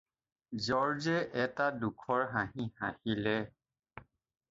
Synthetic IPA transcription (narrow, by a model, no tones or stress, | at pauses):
zɔɹzɛʔɛtadukʰɔɹɦãɦihãhilɛ